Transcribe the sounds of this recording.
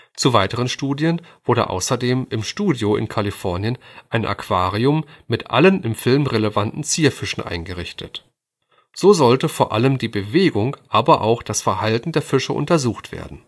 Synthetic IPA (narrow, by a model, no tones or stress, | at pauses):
t͡suvaɪtəʁ̞ənʃtuːdjənv̥ʊɐɾə̰ʔa̰ʊsɐdeːmɪmʃtuːdjoɪ̰nkʰalifɔɐnjənʔaɪnʔa̰kv̥aːʁiʊmːɪtʔa̰lənɪmfɪlmʁeləvantn̩t͡siːɐfɪʃn̩ʔa̰ɪnɡəʁɪçtʰət | z̥oːzɔltəfoːɐʔaləmdiːbəveːɡʊŋʔaːbɐʔa̰ʊxd̥asfɛɐhaltn̩deːɐfɪʃə̰ʔʊ̰ntɐzuːxtv̥ḛːɐdn̩